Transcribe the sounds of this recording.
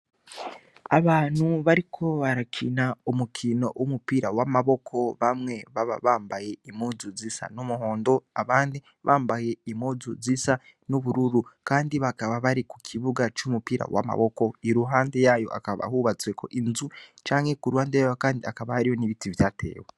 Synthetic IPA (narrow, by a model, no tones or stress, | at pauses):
aβaːn̥huβaɾikʰo̞βaɾakʰinaumukʰino̞̰ʔumupiːɾawamaβo̞kʰo̞βamŋe̞βaβaβaːmbaje̞imuːzuzisa̰numuɦo̞ːndo̞aβaːndi | βaːmbaje̞imuzuzisa | nuβuɾuɾukaːndiβakaβaβaɾiku̥kʰiβuɡat͡ʃumupiːɾa̰wa̰ma̰βo̞ko̞iɾuɦaːnde̞jajo̞̰ʔa̰kaβa̰huβat͡sweko̞̰ʔinzut͡ʃaːŋhe̞kuɾuhaːndejajokaːndiakaβahaɾijo̞niβitivjatʰe̞̰ːwe